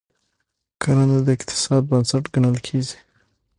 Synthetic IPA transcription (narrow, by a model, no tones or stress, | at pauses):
kʰaɾanad̪əɪqt̪ʰɪ̥sɑd̪̚bənsaʈɡanəlkʰezi̥